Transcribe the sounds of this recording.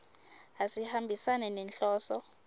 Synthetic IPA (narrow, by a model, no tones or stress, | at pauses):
asihambʱisanɛnɛnɬɔːsɔ